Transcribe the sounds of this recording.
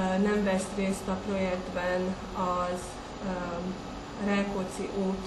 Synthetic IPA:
nɛɱvɛst̪reːst̪ɒpro̞jɛɡ̚d̪bɛn | ɒz | rɛːkot̪sḭʔoːt̪

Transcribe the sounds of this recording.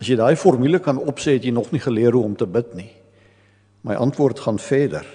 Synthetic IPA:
ɐsjəjdɑːjfɔrmyləkɐnɔpsɛɦɛtjəjnɔχniχəliəɾuɔmtəbətni | mɐjʔɐntʋuərtχɑːnfɛːdə̰r

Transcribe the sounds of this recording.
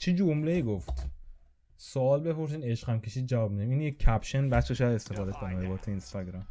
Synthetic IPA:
t͡ʃʰed͡ʒomle̞iːɡoft̪ | soɒːlbe̞foɾs̬iːd̪e̞ʃqæmkʲʰe̞ʃiːd̪̚d͡ʒævɒːb̚mid̪imiːnjeæpʃenbæt͡ʃʰːeʃoad̪e̞st̪e̞fɒːd̪e̞kʰonimɾebɒːt̪ʰeinst̪ɒɡɾɑm

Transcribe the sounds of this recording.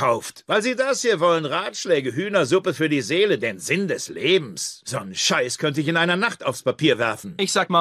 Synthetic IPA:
kʰaʊftvaɪlziːdashiːɐvɔlənʁaːtʃlɛːɡəɦyːnɐzʊpəfyːɐdiːzeːlədeːnzɪndɛsleːbm̩sz̥ɔnʃaɪskʰœntəɪç̬ɪnʔaɪnɐnaχtaʊfspapiːɐvɛɐfn̩ʔɪçz̥aːkmaː

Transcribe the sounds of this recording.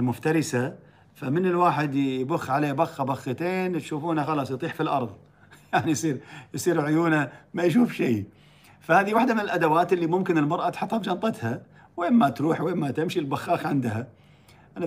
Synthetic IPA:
lmʊft̪ɑɾɪsa | famɪnɪlwaːħɪd̪jbʊxːʕaleːbaxːabaxːat̪eːnt̪ʃuːfuːnaxɑlɑːsˤjt̪ˤiːħfilʔɑ̰ɾˤðˤ | jaʕnijsˤiːɾjsˤiːɾʕʊjuːnamajʃ̬uːfʃiː | fahaːðiwaħd̪amɪnɪlʔad̪awaːt̪ɪlːimʊmkɪnɪlmɑɾˤʔat̪ħɑt̪ˤːhɑbd͡ʒɑnt̪ˤɑt̪ha | weːnmat̪ɾuːħweːnmat̪ɪmʃilbaxːɑːxʕɪnd̪ha | ʔana

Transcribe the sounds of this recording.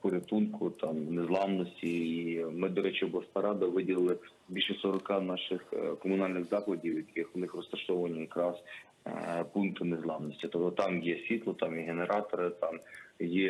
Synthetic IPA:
pʊɾʲɐt̪unkʊt̪ɑmnezlˠɑmnɔsʲtʲiːmɪd̪ɔɾɛt͡ʃɛbʊlˠɐspɐɾɑd̪ɐʋɪdʲilˠlˠɪ | bʲilʲʃɛsɔɾɔkɑnɑʃɪxkɔmʊnɑlʲnɪɣzɑklˠɐdʲiwjɐkɪxʋnɪxrɔst̪ɐʃɔʋɐnʲijɐkɾɑs | punkt̪ɪnezlˠɑmnɔsʲtʲit̪ɔpt̪ɔt̪ɑmjɛsʲʋʲit̪lˠɔt̪ɑmjɛɦeneɾʔɑt̪ɔɾɪt̪ɑmjɛ

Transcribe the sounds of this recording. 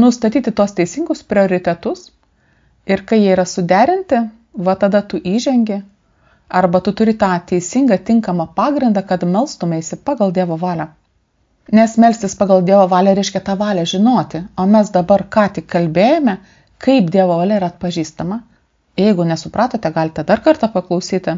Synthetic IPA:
nʊst̪ɐt̪ʲiːt̪ʲɪt̪uɔst̪ʲɛɪsʲɪŋɡʊspʲɾʲɪoːɾʲɪt̪ʲɛt̪ʊs | ɪɾkɐɪjiɛiːɾɐsʊd̪ʲæːɾʲɪnʲt̪ʲɪ | ʋɐt̪ɐd̪ɐt̪ʊʔiːʒʲɛŋʲɡʲɪ | ɐɾbɐt̪ʊt̪ʊɾʲɪt̪ɑːt̪ʲɛɪsʲɪŋɡɐt̪ʲɪŋkɐmɐpɑːɡɾʲɪnd̪ɑkɐt̪mʲɛlˠst̪ʊmʲɛɪsʲɪpɑːɡɐlˠd̪ʲiɛʋoːʋɑːlʲoː | nʲɛsmʲɛlʲsʲt̪ʲɪspɑːɡɐlˠd̪ʲiɛʋoːʋɑːlʲɛɾʲɛɪʃʲkʲɛt̪ɑːʋɑːlʲɛʒʲɪnoːt̪ʲɪoːmʲɛsd̪ɐbɐrkɑːt̪ʲɪkkːɐlʲbʲeːjɛmʲɛ | kɐɪp̚d̪ʲiɛʋoːʋɐːlʲɛiɾɐt̪̚pɐʒʲiːst̪ɐmɐ | jɛɪɡʊnʲɛsʊpɾʔɑːt̪oːt̪ʲɛɡɑːlʲɪt̪ʲɛd̪ɐrkɐɾt̪ɐpɐklˠɐʊsʲiːt̪ʲɪ

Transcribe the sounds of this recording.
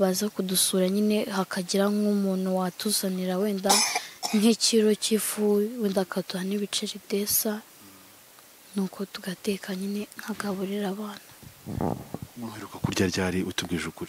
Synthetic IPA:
βazakudusuːɾaɲine̞hakʰaɟiɾaŋɡumuːn̥huwatuzaniɾaweːndaŋ̥heciɾo̞cifuweːndakʰatuhaneβit͡ʃeɾide̞sa | nuːkʰo̞tuɡatekʰaɲine̞ŋ̥haɡaβuɾiɾaβaːnḁ | muheɾukakuɾɟaɾɟaːɾiʔutubɡiːʒukuɾi

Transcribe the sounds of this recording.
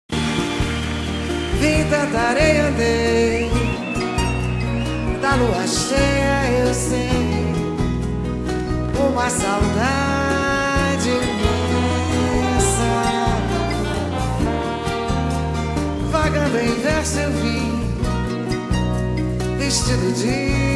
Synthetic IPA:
vĩd̪ɐd̪aɾejɐ̃d̪ej | d̪aluaʃɛjɐewse | õmasawd̪a | d͡ʒɪ | mi | sa | vaɡɐ̃d̪ẽĩvɛɾsʊewvĩ | veʃt͡ʃid̪ʊd͡ʒi

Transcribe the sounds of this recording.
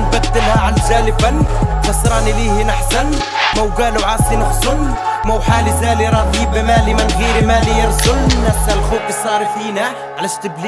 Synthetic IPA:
nbæd̪ːəlhæʕanʒæləbanxɑsˤɾˤɑnilihinaħsan | mæwɡæluʕɑsˤinəxzʊnmæwħalizæliɾˤɑd̪ibimælimənɣiɾimælijəɾˤzʊlnæfsælxubəsˤːɑɾifinæ | ʕlæʃt̪əbli

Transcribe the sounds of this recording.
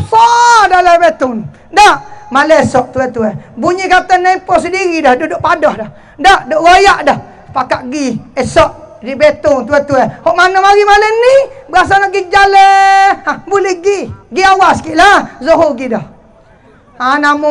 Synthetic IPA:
sadalabet̪ʊŋ | daʔmalɛɛsɔʔt̪uɛt̪uɛbuɲikat̪ənaipɔsədiɾidɔhdudʊʔpadɔhdɔh | daʔdɔʔɡojaʔdɔh | pakaʔɡiɛsɔʔ̚ | dibet̪ʊŋt̪uɛt̪uɛhɔʔmanomaɾimalənibəas̬anɔʔɡid͡ʒalɛabulɛhɡiɡiawaskiʔlazoɦoɡidɔh | anamu

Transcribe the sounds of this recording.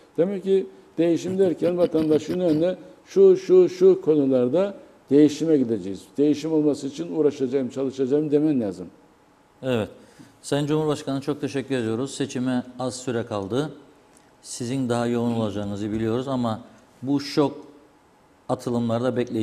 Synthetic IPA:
d̪̥e̞mɛcːi | d̪̥e̞jiʃimd̪æɾcʰænvat̪ʰand̪aʃɯnønd̪ɛ | ʃuʃuʃukʰo̞nulˠaɾd̪a | d̪̥e̞jiʃimɛɟid̪ed͡ʒejizd̪e̞jiʃimo̞lˠmasɯit͡ʃʰinuːɾaʃad͡ʒajɯmt͡ʃʰalˠɯʃad͡ʒajɯmd̪e̞mɛnlʲaːzɯm | ɛvɛt̪ | sænd͡ʒumhuɾbaʃkʰanɯt͡ʃʰo̞k̚t̪ʰe̞ʃɛcʲːyɾe̞d̪ijo̞ɾuz̥se̞t͡ʃʰimɛazsyɾɛkʰalˠd̪ɯ | sizind̪aɦajo̞unulˠad͡ʒaːɯnɯzɯbilʲijo̞ɾuzama | buʃok | at̪ʰɯlˠɯmlˠaɾd̪abɛclʲe

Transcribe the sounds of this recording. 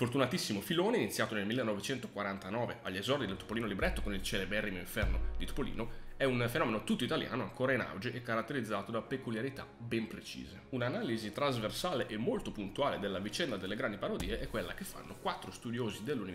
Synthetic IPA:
fort̪unat̪isːimofiloːneinit̪sːjaːt̪onelmilːenːɔvet͡ʃɛnt̪okwaɾant̪anɔːveaʎːezɔrd̪id̪elt̪o̥poliːnolibɾɛt̪ːokonilt͡ʃɛlebɛrːimoiɱfɛrnod̪it̪o̥polḭːnoɛunfenɔːmenot̪ut̪ːoit̪alja̰ːnoaŋkoːɾaina̰wd͡ʒeʔɛkːaɾat̪ːeɾid̪zːaːt̪od̪apekuljaɾit̪a̰ | bɛmpɾet͡ʃḭːzeunanaːlizit̪ɾazversaːleʔemːolt̪opunt̪uaːled̪elːavit͡ʃɛnd̪ad̪elːeɡɾand̪ipaɾod̪iːeʔɛkːwelːakefːa̰nːokwat̪ːɾost̪ud̪joːzid̪elːuni

